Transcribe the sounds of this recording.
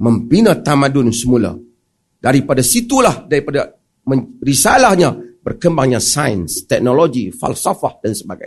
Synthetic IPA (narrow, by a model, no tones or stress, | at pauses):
məmpinat̪amãdʊnsəmula̰ | daɾipadasit̪ulahdaɾipada | mə̃risalahɲabərkəmbaŋɲasajənst̪ɛk̚noloɡifa̰lsofahdansəbaɡa̰j